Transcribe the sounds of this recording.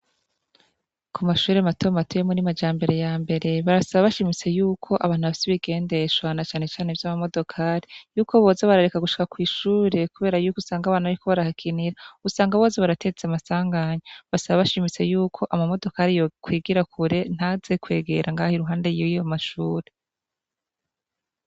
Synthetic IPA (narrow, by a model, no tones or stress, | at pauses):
kʰumaʃuːɾematomatujemunimad͡ʒaːmbe̞ɾe̞jaːmbe̞ɾe̞βaɾasaβaβaʃimit͡se̞juːkʰo̞ʔaβaːnhuβafi̥seβiɡe̞ːnde̞ʃwanat͡ʃaːne̞t͡ʃaːne̞vjaːmamo̞do̞kʰaːɾijuːkʰo̞βo̞ːzeβaɾaɾekaɡuʃi̥kakwiːʃuːɾe̞kuβe̞ːɾajuːkusaːŋɡaβaːnuaɾiko̞βaɾahakʰiniɾausaːŋɡaβo̞ːzeβaɾatʰe̞t͡samasaːŋɡaɲoβasaβaβaʃimit͡se̞juːkʰo̞ʔamamo̞do̞kaːɾijokwiːɡiɾakʰuɾe̞n̥haze̞kwe̞̰ːɡe̞̰ɾʔaŋɡaːhiɾuɦaːndejiijomaʃuːɾe